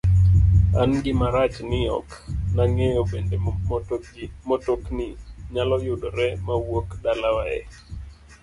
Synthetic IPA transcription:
anɡɪmaɾat͡ʃnɪɔ̰knaŋejobende | motoknɪɲalɔjʊdoɾɛmawokdalawaɛ̰

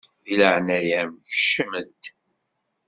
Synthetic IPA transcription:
ðiləʕnæjæmçə̥ʃːəmənt̪

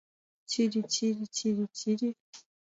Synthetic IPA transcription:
t͡ʃiɾit͡ʃʰiɾit͡ʃiɾit͡ʃʰiɾi

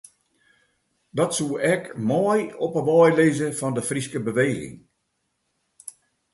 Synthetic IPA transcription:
dɔtsuəʔɛkmɔjɔpəʋɔjleːzəfɔndəfriskəbəʋeːɣɪ̰ŋ

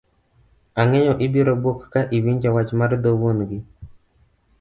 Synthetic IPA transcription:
aŋɛɲɔʔɪbiɾobokːaʔiwiɲd͡ʒɔwat͡ʃmaɾd̪owonɡɪ

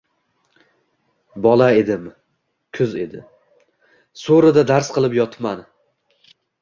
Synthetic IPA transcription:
bɒlˠae̞d̪ɪm | kʲʰʊze̞d̪ɪ | soɾad̪ad̪aɾsqʰɨlˠɪpjɒt̪ʰman

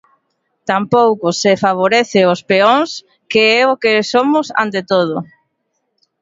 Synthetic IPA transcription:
t̪ampowkʊsɪfaβ̞oɾɛθɪospeoŋs | keɛʊkesomʊsa̰nt̪et̪oð̞ʊ

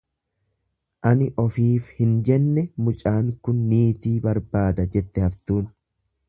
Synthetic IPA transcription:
ʔɐnɪʔɔfiːfhɪnd͡ʒɛnːɛmʊt͡ʃʼaːŋkʊnːiːt̪iːbɐɾbaːd̪ɐd͡ʒɛt̪ːɛhɐft̪uːn

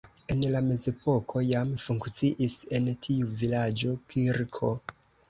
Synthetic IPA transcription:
e̞nlame̞ze̞po̞kʰo̞jamfuŋkt͡siʔise̞ntʰiuvilad͡ʒo̞kʰiɾkʰo

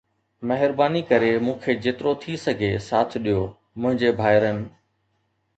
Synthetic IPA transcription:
mɐɦɪɾbaːnikɐɾemũːkʰed͡ʑeːt̪ɪɾot̪ʰisɐɡʱesaːt̪ʰɗijo | mʊ̃ɦɪ̃ɲd͡ʑebʱaːɪɾənɪ̆

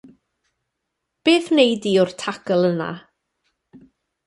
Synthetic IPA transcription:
b̥eːθnejdiʊrtʰakəlˠəna̰

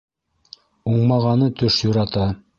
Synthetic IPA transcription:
uɴmɑʁɑnɤt̪ɵʃjuɾɑt̪ɑ

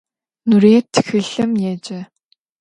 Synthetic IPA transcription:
nuɾeːt̪ʰɘ̥xɘ̆ɮɘ̆mjɛːt͡ɕeː

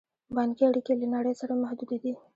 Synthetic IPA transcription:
bɑnkiaɽikelanaɽəjsaɾamahd̪ud̪ed̪i

